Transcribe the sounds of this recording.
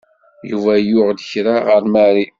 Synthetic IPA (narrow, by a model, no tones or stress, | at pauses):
jṵvæjʊʁd̪əçɾaʁəɾmæɾi